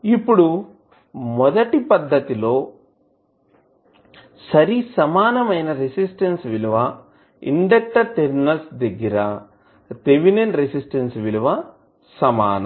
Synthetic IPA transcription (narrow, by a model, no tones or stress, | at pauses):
ipːuɽu | mɔd̪ɐʈipɐd̪ːɐt̪ilo̞ː | sɐɾisɐmaːnɐmɐjnɐɾesisʈɐnsʋiluʋɐ | ḭɳɖɐk̚ʈɐɾt̪eɾnɐlsd̪ɐɡiɾɐ | t̪eʋinenɾesisʈɐnsʋiluʋɐ | sɐma̰ːnɐ̰m